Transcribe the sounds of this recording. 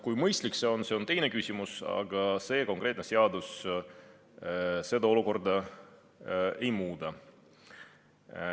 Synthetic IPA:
kujmɤjst̪likseo̞nse̞o̞nt̪e̞jne̞kysʲimusɑ̰ɡ̥ɑse̞ːko̞ŋkˑre̞ːt̪ne̞seɑd̪us | se̞d̪̥ɑo̞luko̞rd̪ɑ | e̞jmuːd̪̥ɑ

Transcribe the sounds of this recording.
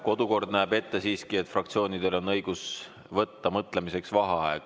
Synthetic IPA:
ko̞d̪̥uko̞rd̪̥næːbe̞t̪ːe̞siːskie̞t̪ːˑfrɑk̚t̪sio̞ːnid̪e̞lo̞nːɤjɡ̥us | vɤt̪ːɑmɤt̪ˑle̞mise̞ksvɑɦɑɑeɡ̥

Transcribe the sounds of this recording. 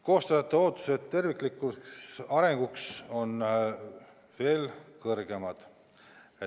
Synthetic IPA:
ko̞ːst̪ɑjɑt̪ːˑeo̞ːt̪ːˑu̥set̪t̪ːe̞rvikˑlikˑuksɑɾe̞ŋɡ̥ukso̞n | ve̞ːlkɤrɡ̥e̞mɑd̪̥ | e

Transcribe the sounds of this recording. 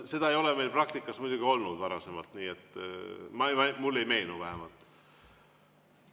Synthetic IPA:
se̞d̪̥ɑejo̞leme̞jlprɑk̚t̪ikːˑɑsmujd̪̥ʲuɡ̥io̞lnud̪̥vɑɾɑse̞mɑlt̪niːe̞t̪ːˑmɑeɑmulːe̞jme̞jnuvæɦemɑlt̪ːˑ

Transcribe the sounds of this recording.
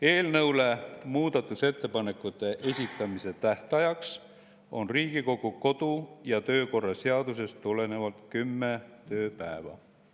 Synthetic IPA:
e̞ːlnɤwlemuːd̪ɑt̪ːˑuse̞t̪ːe̞pɑne̞kːˑut̪ːˑe̞ʔe̞sʲit̪ːˑɑmise̞t̪æht̪ɑjɑks | o̞̰nriːɡ̥iko̞ɡ̥uko̞d̪ujɑt̪ø̞ːko̞rːɑseɑd̪̥use̞st̪ːule̞ne̞vɑlt̪kymːet̪ø̞ːpæ̰evɑ̰

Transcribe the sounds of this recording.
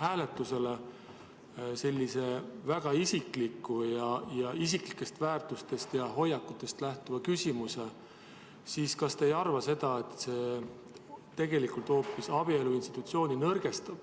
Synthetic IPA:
hæːle̞t̪ˑːuse̞le̞ | se̞lʲːise̞væɡ̥ɑisikːlikˑːujɑjɑisiklikːˑe̞st̪væːrt̪ust̪e̞st̪jɑɦo̞jːɑkːut̪ːˑe̞st̪læht̪uvɑkysʲimuse̞ | siːskɑst̪ejɑrvɑse̞d̪̥ɑe̞t̪ːˑse̞ː | t̪e̞ɡ̥e̞likult̪o̞ːpːˑisɑb̥ie̞luinst̪i̥t̪ːˑut̪sio̞ːninɤrɡ̥e̞st̪ɑb̥

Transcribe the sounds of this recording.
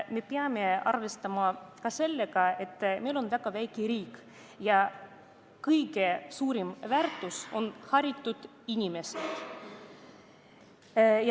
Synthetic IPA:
me̞peɑme̞ɑ̰rvest̪ɑmɑkɑse̞lːeɡ̥ɑe̞t̪ːˑme̞jlo̞nvæɡ̥ɑvæjkiɾiːk | jɑ | kɯjɡe̞suːɾimvært̪ːˑuso̞nhɑɾʲit̪ːˑud̪̥ | inʲime̞sed̪̥ | j

